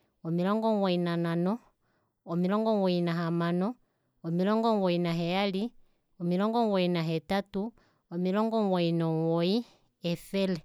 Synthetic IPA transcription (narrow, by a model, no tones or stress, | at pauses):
ɔmilɔŋɡɔŋwɔinananɔː | milɔŋɡɔwɔinaɦamanɔ | ɔmilɔŋɡɔŋwɔinaɦɛjali | ɔmilɔŋɡɔŋwɔinaɦɛtatu | ɔmilɔŋɡɔŋwɔinɔwɔi | ɛfɛlɛ